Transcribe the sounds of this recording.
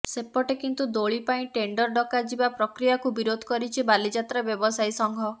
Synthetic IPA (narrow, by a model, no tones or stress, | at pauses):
sepɔʈekint̪ud̪oɭipaĩʈeɳɖɔɾɖɔkad͡ʒibapɾɔkɾijakubiɾod̪ʱɔ̥kɔɾit͡ʃʰibalid͡ʒat̪ɾabjɔbɔsajsɔŋɡʱɔ